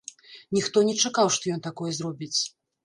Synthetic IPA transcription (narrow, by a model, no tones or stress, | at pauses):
nʲixt̪ɔnʲɛt͡ʂakawʂt̪ɔjɔnt̪akɔjɛzrɔbʲit͡sʲ